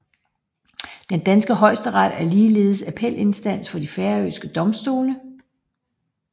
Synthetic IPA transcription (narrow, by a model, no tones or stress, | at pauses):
d̥end̥ænsɡ̥əɦɒ̽ɪ̰sd̥əʁɑd̥æɐliːle̝ːð̞̩ˠsæpʰel̰ʔe̝nsd̥æn̰sfɒ̽d̥ifæɐøsɡ̥əd̥ɒ̽msd̥o̝ːnə